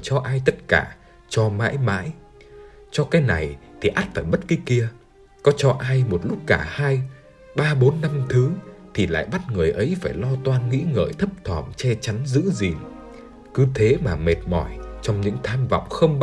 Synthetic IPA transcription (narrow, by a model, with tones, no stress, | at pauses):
t͡ɕɔ˧ʔaː˧jt̪ə˦˥t̚ka̰ː˧˩ | t͡ɕɔ˧ma̰ː˧˥jma̰ː˧˥j | t͡ɕɔ˧kaː˨˦jna˨˩jt̪ʰi˨˩ʔaː˦˥t̚faː˧˩jɓə˦˥t̚ki˨˦ki˧ə | kɔ˨˦t͡ɕɔ˧ʔaː˧jmo˨˩t̚lʊ˦˥k͡p̚kaː˧˩haː˧j | ɓaː˧ɓo˨˦nːa˧mt̪ʰɨ˨˦t̪ʰi˨˩la̰ː˧˨jɓa˦˥t̚ŋɨ˨˩əjʔə˨˦jfaː˧˩jlɔ˧t̪waː˧nŋḭ˧˥ŋə̰ː˧˨jt̪ʰə˦˥p̚t̪ʰwɔ˧˩mt͡ɕɛ˧t͡ɕa˨˦nzɨ̰˧˥zi˨˩ŋ | kɨ˨˦t̪ʰe˨˦maː˨˩me˨˩t̚mɔ˧˩jt͡ɕɔ˧wŋ͡mɲɨ̰˧˥ŋt̪ʰaː˧mva̰˧˨wŋ͡mxə˧wŋ͡m